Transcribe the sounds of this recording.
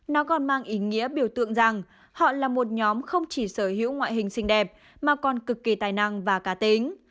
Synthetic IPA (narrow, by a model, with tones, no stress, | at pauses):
nɔ˨˦kɔ˨˩nmaː˧ŋʔi˨˦ŋḭ˧˥əɓi˧˩əwt̪ɨ̰˧˨əŋza˨˩ŋ | hɔ̰˧˨laː˨˩mo˨˩t̚ɲɔ˨˦mxə˧wŋ͡mt͡ɕi˧˩səː˧˩hḭ˧˥əwŋwa̰ː˧˨jɦï˨˩ŋ̟sï˧ŋ̟ɗɛ˨˩p̚ | maː˨˩kɔ˨˩nkɨ˨˩kːi˨˩t̪aː˨˩jna˧ŋvaː˨˩kaː˨˦t̪i˨˦ŋ